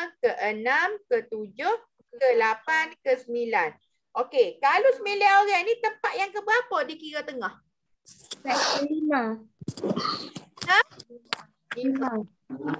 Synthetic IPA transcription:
kəʔənamkət̪ud͡ʒoh | kəlapankəsəmilan | ʔokekalosəmilaoɣanĩt̪əmpat̪̚jaŋkəbəapədikiɾat̪əŋɔh | satəila | na | ima

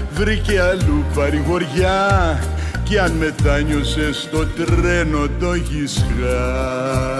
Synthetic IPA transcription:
vɾikealupaɾiɣoɾja | kianmet̪aɲosest̪ot̪ɾɛnot̪oɣisɣa

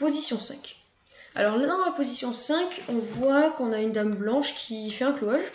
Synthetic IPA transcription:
pozisjɔ̃sɛ̃k | a̰lɔʁlad̪ɑ̃lapozisjɔ̃sɛ̃kɔ̃vwakɔ̃naynd̪amblɑ̃ʃkʲʰifɛɛ̃kloaʒ

